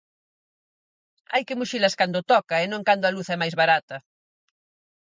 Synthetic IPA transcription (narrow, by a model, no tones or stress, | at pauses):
ajkɪmuʃilɐskand̪ʊt̪ɔkɐenõŋkand̪ʊaluθɛmajzβaɾat̪ɐ